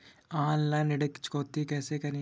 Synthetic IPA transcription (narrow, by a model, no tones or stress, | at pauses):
ãːlːãːnɪɽəkːt͡ʃkoːt̪ikɛːsekɐɾĩ